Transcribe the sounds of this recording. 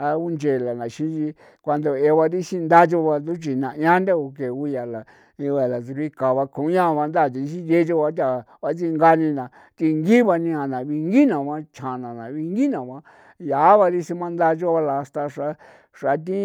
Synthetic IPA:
a˧u˦nd͡ʒe˨la˨nã˨ʃĩ˦t͡ʃi˧ | kʷa˧nd̪o˧e˧βa˧ɾi˦˧ʃi˦nd̪a˦t͡ʃo˧βa˧d̪u˦t͡ʃi˨nã˨jã˦nda˦o˧ke˨u˧ja˨la˨ | ĩ˧a˨la˨t͡su˧ɾi˦ka˨βa˧kʰũ˨˦ã˦˧βa˧nd̪a˦˨t̪̬i˧ʃĩ˦je˦t͡ʃo˦˧βa˧˦t̪a˨ | βa˧t͡si˦˧ŋɡa˧nĩ˧nã˨ | t̪i˧ŋɡi˦βa˧nĩ˧a˨nã˨βi˧ŋɡi˦nã˨βã˦t͡ʃʰã˨nã˨nã˨βi˧ŋɡi˦nã˨βã˦ | ja˨˦βa˧ɾi˦si˧mã˦nd̪a˦˧t͡ʃo˦βa˧la˨˧st̪a˧ʂa˧ | ʂa˨˦t̪̬ĩ˦

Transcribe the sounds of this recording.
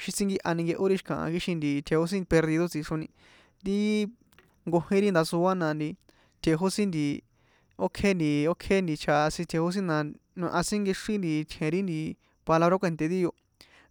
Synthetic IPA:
ʃi˧t͡sĩ˦ŋɡi˧ʔa˧nĩ˧ŋɡe˧ʔo˦ɾi˦ʃi̥˧kã̰˨ʔã̰˧ki˧˦ʃĩ˧nd̪i˨t̪ʰe˨˧ho˦s̬ĩ˦˧pe˧ɾði˧ðo˦t͡si˧ʂõ˧nĩ˧ | t̪i˦ | ŋɡo˧hĩ˦ɾi˦nd̪a˧su˧a˦nã˧nd̪i˧ | t̪ʰʲe˧ɦo˦sĩ˦nd̪i˧ | o˦kʰe˦nd̪i˧o˦kʰe˦nd̪i˧t͡ʃʰa˧sĩ˧t̪ʰe˨˧ho˦s̬ĩ˦nã˧nũ˧ʔã˧sĩ˦ŋɡi˧ʂi˦nd̪i˧t̪ʰẽ˨˧ɾi˦nd̪i˧ | pa˧la˧βɾo˦kʷe˧nt̪e˧ði˦jo˧

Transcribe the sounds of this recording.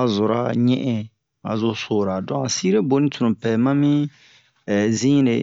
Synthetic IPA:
a˨zo˨ɾa˨ɲɛ̃˦ʔɛ̃˦ | a̰˨zo˨so˨ɾa˨dɔ̃˦a˨si˦ɾe˦bo˨nĩ˦tu˨nũ˨pɛ˨mã˦mĩ˦˨ | zĩ˦ɾe˨

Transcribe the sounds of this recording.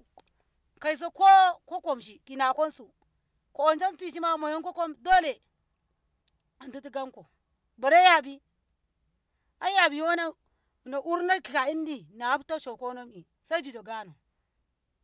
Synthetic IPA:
ka˨i˨s̬o˦ko˦ko˦ko˨mʃi˨ki˨na˨ko˦nsu˨ | ko˨o˨nd͡ʒa˦nti˨ʃ̬i˦ma˦mo˨jo˦nko˦ko˦mdo˦le˨ | a˨ndu˦ti˦ɡa˦nko˨ | ba˨ɾe˦ja˨bi˦ | a˦ja˨bi˨˦wo˦na˦˨ | na˨ʔu˦ɾna˦ki˨ka˨i˦ndi˨na˨a˦bto˦ʃo˨ko˦no˦mi˨ | sa˦i˦d͡ʒi˨do˨ɡa˦no˨

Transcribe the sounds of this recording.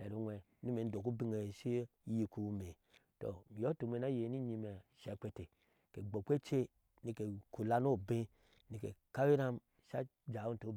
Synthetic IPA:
e˨ɾu˨nwɛ˨˦ni˦me˨n̩˦do˨ku˦bi˦ŋe˨ʃi˦ji˨ku˨˦me˨ | to̰˨mi˨jo˦tu˨me˨na˦je˨ni˦ɲi˧me˨ʃe˨k͡pʷe˨te˨ | ke˨ɡ͡bo˨kʷe˦t͡ʃe˦ | ni˨ke˨ku˨la˦no˦˨be˦ | ni˨ke˨ka˦i˦ɾa˦m | ʃa˦d͡ʒa˨u˦n˨to˨˦˨

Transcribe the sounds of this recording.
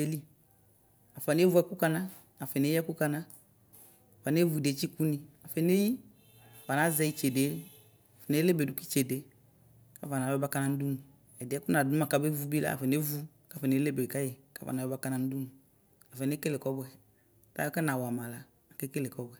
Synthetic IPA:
e˨˦li˦ | a˨fa˨n˦e˦vu˦ɛ˦ku˦ka˧naː˦˨ | fɛ˨ne˦ɛ˦ku˦ka˧na˦ | a˨fa˨n˦e˦vu˨i˨de˨˦t͡ʃi˦ku˦nĩ˧a˨fɛ˨ne˦ji˦ | a˨fa˨na˨˦zɛ˧˨i˦t͡ʃe˨de˨˦ | a˨fɛ˨ne˦le˦be˨du˨˦ki˦t͡ʃe˨de˨˦ | ka˦fa˨na˨wɛ˦ba˦ka˧na˧n̩˦du˦mu˨ | ɛ˨dɪ˨˦ɛ˦ku˦na˨du˦ma˨ka˨˦be˦vu˦bi˦la̰˦a̰˨fɛ˨ne˦vu˦ | ka˨˦fɛ˨ne˦le˦be˨ka˦je˨ka̰˦fa̰˨na˨ɛ˦ba˦ka˧na˨n̩˦du˦mu˨ | a˨fɛ˨ne˦ke˦le˨kɔ˦bɛ˨ | ta̰˦ɔ˦kɛ˦na˨wa˨ma˨la˨ | a˨kɛ˦ke˦le˨kɔ˦bɛ˨

